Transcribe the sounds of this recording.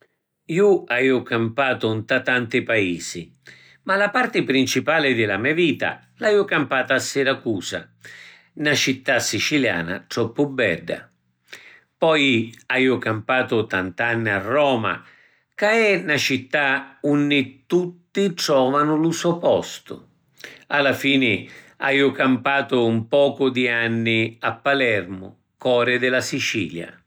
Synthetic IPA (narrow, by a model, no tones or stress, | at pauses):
iuaiʊkampaːt̪ʊnt̪at̪ant̪ɪpaiːsi | malapart̪ɪpɾint͡ʃipaːlɪd̪ɪlamɛaviːt̪a̰ | laiːʊkampaːt̪aːsːɪɾakuːsa̰ | nat͡ʃit̪ːasːit͡ʃilja̰ːna̰ʈ̪ɾɔpːʊbːɛ̰ɖa̰ | pɔjajʊkampaːt̪ʊt̪ant̪anːiarːɔːma̰ | kaɛnat͡ʃit̪ːaunːɪt̪ːut̪ːiʈɾɔːvanʊlusɔpɔst̪ʊ̰ | alːafiːnɪ | a̰jʊkampaːt̪ʊumpɔːkʊd̪ianːɪapːalɛrmʊ̰ | kɔːɾɪd̪ɪlasit͡ʃḭːlja̰